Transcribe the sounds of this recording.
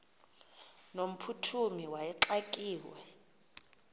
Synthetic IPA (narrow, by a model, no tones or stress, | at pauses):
nom̩pʰutʰumiwajɛǁakʼiːwɛ